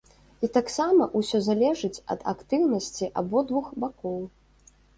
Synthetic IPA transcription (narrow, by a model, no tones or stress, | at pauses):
it̪aksamɐʔusʲɔzalʲɛʐɨt͡sʲɐ̰d̪a̰kt̪ɨwnɐsʲt͡sʲiʔabɔd̪vuxbakɔw